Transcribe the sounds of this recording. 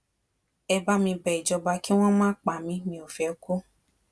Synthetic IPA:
ɛ˧ba˧mĩ˧bɛ˨i˨d͡ʒɔ˧ba˧ki˦w̃ɔ̃˦mãː˦k͡pa˨mĩ˨˦mĩ˧o˨fɛ˨˦ko˦

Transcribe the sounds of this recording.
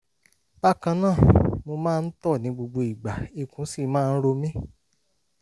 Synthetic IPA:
ba˦kã˧nãː˦˨mo˧mãː˦˧n̩˦tɔ˦˨nĩ˨˦ɡ͡bo˧ɡ͡bo˧i˨ɡ͡ba˨i˧˨kũ˨˦si˦˨˦mãː˦˧n̩˦ɾo˧mĩ˦

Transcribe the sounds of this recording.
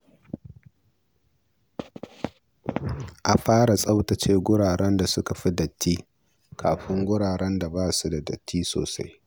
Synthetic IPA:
ʔa˨ɸaː˦ɽa˨sʼɐ˦wtɐ˨t͡ʃeː˦ɡʷʊ˦ɽaː˨ɽɛ˦nda˨sʊ˦ka˨ɸi˦dɐ˨tʰːiː˦ | kʰaː˨ɸɪ˦ŋɡʷʊ˦ɽaː˨ɽɛ˦nda˨baː˦su˦da˨dɐ̰˨tʰːiː˦so̰ː˨sa̰˦j

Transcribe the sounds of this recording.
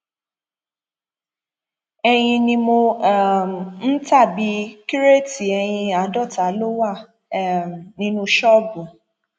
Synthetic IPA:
ɛ˧j̃ĩ˧nĩ˧mo˧˦˨ | n̩˦ta˦˨bi˨˦ki˦ɾe˦˨ti˨ɛ˧j̃ĩ˧a˨˦dɔ˦˨ta˨˦lo˦wa˦˨ | nĩ˦nũ˧ʃɔ˦bũ˨

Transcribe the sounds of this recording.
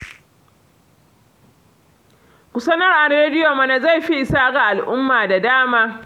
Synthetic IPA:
kʷʊ˨sɐ˦nɐ˦rʔa˨reː˦dɪ˦jo˨mɐ˦na˨za˦˨jɸi˦ʔɪ˨saː˦ɡa˨ʔa˨lʔʊ˦mːaː˨da˨daː˦maː˦

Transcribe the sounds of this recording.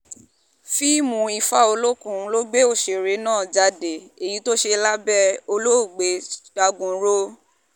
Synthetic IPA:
fi˦mũ˧˦i˧fa˦o˧lo˦kũ˦lo˦ɡ͡be˦o˦˨ʃe˨ɾe˨˦nãː˦˨d͡ʒa˧de˨e˨ji˨˦to˦ʃe˧la˦bɛ˦o˧lo˦o˦˨ɡ͡be˨˦d̥a˧ɡũ˨˦ɾo˦

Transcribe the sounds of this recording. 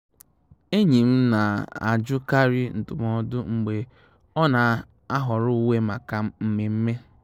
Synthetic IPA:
e˦ɲi˨m̩˦na˨a̰˨d͡ʒʊ˦ka˦ɾi˦n̩˨tʊ˨m˦ɔ˦dʊ˦ŋ͡m̩˨ɡ͡be˨ | ɔ˦na˨ | a˦ɦɔ˨ɾʊ˦we˦ma˨ka˨m̩˦m̩˦me˨m̩˦me˦

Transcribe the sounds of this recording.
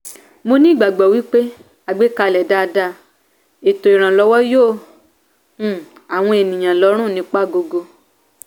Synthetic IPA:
mo˧nĩ˦˨ɡ͡ba˨ɡ͡bɔ˨wi˦k͡pe˦ | a˨ɡ͡be˨˦ka˧˨lɛ˨da˦˧da˦˨ | e˨to˨i˨ɾ̃ã˨lɔ˨˧˦wɔ˦joː˦˨˦ | a˨w̃ɔ̃˧e˨nĩ˨j̃ã˨lɔ˨˦ɾ̃ũ˦˨nĩ˨˦k͡pa˦˨ɡo˧ɡo˧

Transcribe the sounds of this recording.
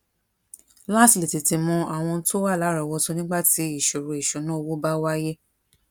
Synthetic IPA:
la˦˨sli˨ti˨ti˨˧mɔ̃˧a˨w̃ɔ̃˧n̩˦to˦wa˦˨la˨˦ɾɔ˧˨wɔ˧to˧nĩ˦ɡ͡ba˦˨ti˨˦i˦˨ʃo˨ɾo˧i˨ʃo˨˦nã˦˧wo˦ba˦wa˦je˦

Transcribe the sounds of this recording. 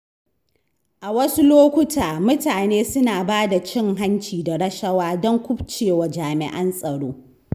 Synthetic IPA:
ʔa˨wɐ˦su˦loː˦kʷʊ˦taː˨mʊ˦taː˨neː˦sʊ˦naː˨baː˦da˨t͡ʃɪ˦ŋɦa˦nt͡ʃiː˨da˨ɽɐ˦ʃɐ˦waː˦dɔ˦ŋkʷʊ˦bt͡ʃeː˨wa˨d͡ʒaː˨mɪ̰˨ʔɐ˦nsʼɐ˨ɽoː˦

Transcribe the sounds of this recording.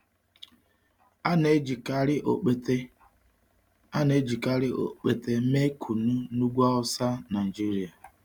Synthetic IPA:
a˦ne˦d͡ʒi˨ka˦ɾɪ˦ʔo˨k͡pe˦te˦ | a˦ne˦d͡ʒi˨ka˦ɾɪ˦o̰˨k͡pe˨te˦me˦kʰu˨nu˦nu˦ɡʷɔ˦ɔ˦sa˦na˨i˨d͡ʒi˦ɾi˦a˨

